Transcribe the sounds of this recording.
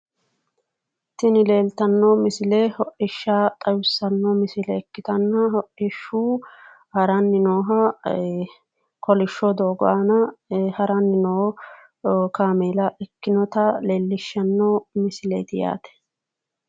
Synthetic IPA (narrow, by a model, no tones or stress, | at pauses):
t̪ːɪnɪleːlt̪ɐnːɔmɪsɪlehɔʔɪʃːaːt̪ʼɐjʊsːɐnːɔmɪsɪlɛːkːɪt̪ɐnːɐhɔʔɪʃːuː | hɐɾɐnːɪnoːɦɐ | kɔlɪʃːɔd̪oːɡɔʔɐnɐhɐɾɐnːɪnoː | kaːmeːlɐʔɛkːɪnɔt̪ɐleːlːɪʃːɐnːɔmɪsɪlḛːt̪ɪja̰ːt̪ɛ̥